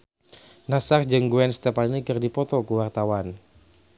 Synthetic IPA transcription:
nasard͡ʒɨŋɡuɛnst̪ɛpannikɨrdipɔt̪ɔkuwart̪awan

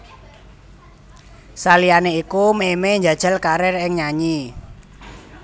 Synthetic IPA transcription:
salianeikumemeɲd͡ʒa̤d̥ʒ̥a̤lkaɾɛrɪŋɲaɲi

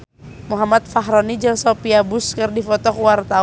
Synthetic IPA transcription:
muɦamat̪̚faɦɾɔnid͡ʒəŋsɔpiabuskɨrdifɔt̪ɔkuwart̪a

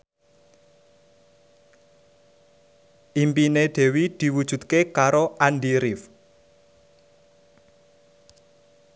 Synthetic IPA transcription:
ʔimpined̪̥e̤wid̪̥i̤wud̥ʒ̥ṳt̪̚kekaɾoʔanɖiɾif

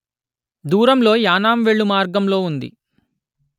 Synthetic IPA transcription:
d̪uːɾɐmlo̞ːjaːnaːmʋeɭːumaːɾɡɐmlo̞ːund̪ḭ

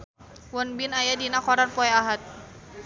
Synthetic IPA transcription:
wɔnbinajadinakɔɾanpɔɛaɦat̪̚

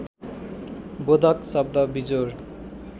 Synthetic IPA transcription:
bod̪ʱʌksʌb̚d̪ʌbid͡zoɾ

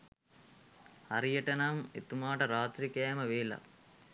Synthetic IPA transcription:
hɐɾijɐʈɐnaːmet̪umaːʈɐɾaːt̪ɾikɐjɐmɐʋeːlɐ̰

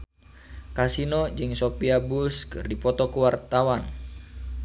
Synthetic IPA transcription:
kasinod͡ʒɨŋsopiabuskɨ̰rdipɔt̪ɔkuwart̪awan

